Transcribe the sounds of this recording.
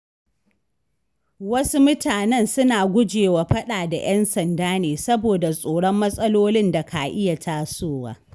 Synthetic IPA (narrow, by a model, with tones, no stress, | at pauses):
wɐ˦su˦mʊ˦tʰaː˨nɛ˦˨nsʊ˦naː˨ɡʷʊ˦d͡ʒeː˨wa˨ɸɐ˦ɗaː˨da̰˨jɐ˦nsɐ˨ndaː˦neː˨sɐ˦boː˨da˨sʼoː˨ɽɔ˦mːɐ˦sʼɐ˦loː˦lɪ˦nda˨kʰaː˨ʔɪ˦ja˨tʰaː˦soː˦˨wa̰ː˦